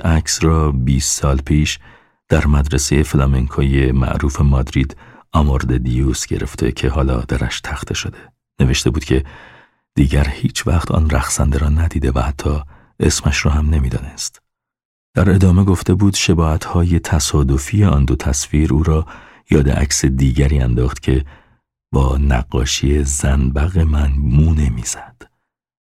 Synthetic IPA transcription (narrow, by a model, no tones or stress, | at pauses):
ʔæcʰsɾɒːbiːsːɒːlpʰiːʃ | d̪̥æɾmæd̪ɾesejeflɒːmeŋkʰoːjemæ̰ʔɾuːfe̞mɒːd̪ɾiːd̪ɒːmoɾd̪ed̪ijuːsɟe̞̰ɾe̞̰ft̪ʰe̞̰cʰe̞hɒːlɒːd̪̥æɾæ̰ʃt̪ʰæxt̪ʰeʃod̪e̞ | ne̞veʃt̪e̞buːd̪̥cʰe̞ | d̪̥iːɟæɾhiːt͡ʃʰvæxt̪ʰɒ̰ːnræxsænd̪eɾɒːnæd̪iːd̪e̞væhæt̪ʰːɒː | e̞smæʃrɔːhæmne̞miːd̪ɒ̰ːne̞st̪ | d̪̥æɾe̞d̪ɒːme̞ɡo̞ft̪e̞buːd̪ʃe̞bɒːhæt̪ʰhɒːje̞t̪ʰæsɒːd̪o̞fiːjeɒːnd̪o̞t̪ʰæsfiːɾuːɾɒː | jɒːd̪ḛʔæ̰csed̪iːɟæɾiːænd̪ɒːχt̪cʰe̞ | b̥ɒːnæ̰ɣːɒ̰ːʃiezænbæɣemænmuːnemiːz̥æd̪̥